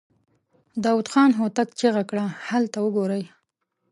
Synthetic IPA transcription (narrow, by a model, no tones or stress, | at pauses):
d̪ɑwud̪xɑnɦot̪akt͡ʃeɣakɽahalt̪awəɡoɾəj